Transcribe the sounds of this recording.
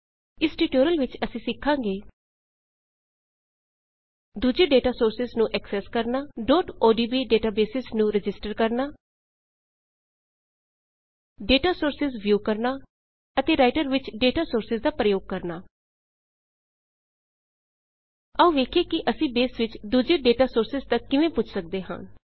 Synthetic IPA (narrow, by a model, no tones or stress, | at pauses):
ɪsʈiːʈoːɾəlʋɪt͡ʃəsĩːsɪkʰːãːŋɡeː | d̪uːd͡ʒeːɖeːʈaːsoːɾsɪznũːʔɛksɛːskəɾnaːɖɔːʈoːɖiːbiːɖeːʈaːbeːsɪsnũːɾɪd͡ʒɪsʈəɾkəɾnaː | ɖeːʈaːsoːɾsɪzʋjuːkəɾnaː | ət̪eːɾaːɪʈəɾʋɪt͡ʃɖeːʈaːsoːɾsɪzd̪aːpɾəjoːɡ̚kəɾnaː | əũːʋeːkʰeːkɪʔəsĩːbeːsʋɪt͡ʃd̪uːd͡ʒeːɖeːʈaːsoːɾsɪzt̪əkːɪʋẽːpʊt͡ʃʰsək̚d̪eːɦə̰̃ːn